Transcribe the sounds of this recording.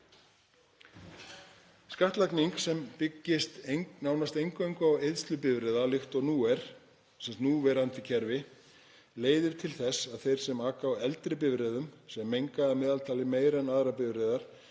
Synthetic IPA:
skaht̪lakniŋksɛmpɪcːɪst̪ŋnaːwnast̪ejŋkejŋkawejðst̪lʏpɪvɾɛðalɪxt̪ɔɣnuːɛɾ̥ | sɛmsnuːvɛːɾant̪ɪcʰɛɾvɪ | leːjðɪɾ̥t̪ʰɪlθɛsːaðθejɾ̥sɛmaːkawɛlt̪ɾɪpɪvɾɛðʏmsɛmːejŋkaːmɛːðalt̪ʰaːlɪmeːjɾɛnaðɾapɪvɾɛðaɾ̥

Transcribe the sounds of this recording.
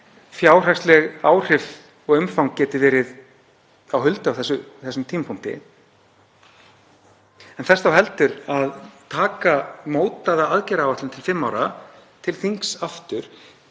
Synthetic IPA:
fjaːwr̥akst̪lɛɣaːwr̥ɪf | ɔɣʏmfawŋkcɛːt̪ɪvɛːɾɪð | awɦʏlt̪ʏawθɛsːʏθɛsːʏmt̪ʰiːmapʰun̥t̪ɪ̰ | ɛnθɛsθawɦɛlt̪ʏɾaðt̪ʰaːkamoːwt̪aðaaðcɛɾaːwvaht̪ɪnt̪ʰɪlfɪmːawɾat̪ʰɪlθiŋksaft̪ʏɾ̥

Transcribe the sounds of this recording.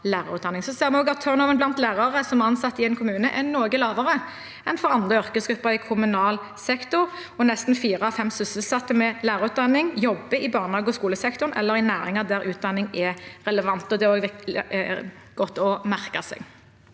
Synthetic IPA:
læːʁɑʉːd̪ɑnɪŋsɔseːɾmɛoːɡɑt̪ʰːœʁnɔːʋənblɑnt̪læːʁɑʁəsɔmæʁɑnsɑt̪ːɪɛnkʰʊmʉːnəʔɛnoːɡəlɑːʋəʁə | ɛnfɔʁɑnd̪ʁəœʁkəsɡɾʉpːəɾɪkʰʊmʉnɑːl | sɛkt̪ʊʁ | ɔnɛst̪n̩fiːʁəɑfɛmsʉsəlsɑt̪ːəmɛlæːʁɑʉːt̪̚d̪ɑnːɪŋjɔbːəɪbɑːʁnhɑːɡəɔskuːləsɛkt̪ʊnɛ̰lːəʁɪnæːɾɪŋɑd̪æʁʉːt̪̚d̪ɑnːɪŋɛʁɛləʋɑnt̪ɔd̪ɛæʁoːɡʋɪ | ɡ̥ɔt̪ːɔmæʁkɑsɛ̰ɡ

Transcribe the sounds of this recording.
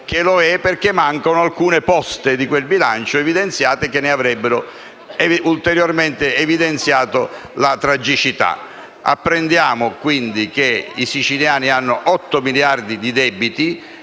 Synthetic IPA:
k̟eloɛperk̟emːaŋkonoalkuːnepɔst̪ɪd̪ikwelbilant͡ʃoevid̪ent̪sjaːt̪ek̟enːeavɾɛbːeɾʊ | ɛult̪eɾjorment̪eːvid̪ent̪sjaːt̪olat̪ɾad͡ʒit͡ʃit̪a̰ | a̰pːɾend̪jaːmʊkwind̪ik̟eisit͡ʃiljaːnianːʊʔɔt̪ːomiljard̪id̪id̪ɛbit̪i

